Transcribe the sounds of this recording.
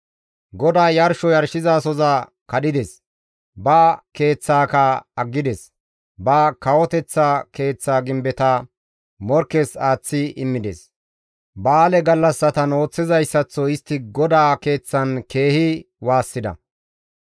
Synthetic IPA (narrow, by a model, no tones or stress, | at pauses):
ɡɔd̪aːjɐɾʃɔjɐɾʃɪzaːsɔza | kɐɗɪd̪ɛs | bɐke̞ːt͡sːaːkɐɐɡːɪd̪ɛs | bɐkɐwɔt̪ɛt͡sːake̞ːt͡sːaːɡɪmbɛt̪ɐ | mɔɾkːesaːt͡sːɪɪmːɪd̪ɛ̰s | baːlɛɡɐlːɐsːɐt̪ɐno̞ːt͡sːɪzɐjsːɐt͡sːɔɪst̪ːɪɡɔd̪aːke̞ːt͡sːɐnke̞ːhɪ | waːsːɪd̪ɐ̰